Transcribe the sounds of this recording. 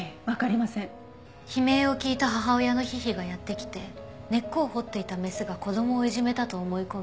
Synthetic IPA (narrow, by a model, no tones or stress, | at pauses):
βakaɾʲimasẽ | çime̞ːo̞kʲiːt̪aɦaɦao̞jano̞çiçiɡajat̪ːe̞kʲi̥t̪e̞ne̞kːo̞ːho̞t̪ːe̞it̪ame̞sɨɡako̞d̪o̞mo̞ːiʑime̞t̪at̪o̞ːmo̞iko̞m